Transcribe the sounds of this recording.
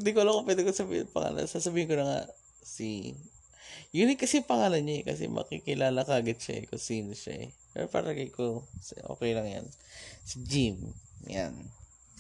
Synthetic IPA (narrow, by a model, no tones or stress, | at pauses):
d̪ɪkolɐkopwɛːd̪ɪkosɐbḭːhpɐŋa̰ːlɐ̰nsasɐbiːhɪnkolɐŋa̰ | si | jʊnɪkɐsɛpɐŋaːlɐnɲoɛkɐs̬ɛ̰mʔɐ̰kikɪlaːlɐkaːɡɪd̪̚ʃaʔɛ̰kosiːnoʃa̰ʔɛ̰pɛ̰ɾopɐ̰ɾaɡɐjkosʔo̰ːkɛjlɐŋja̰nsɪd͡ʒimja̰n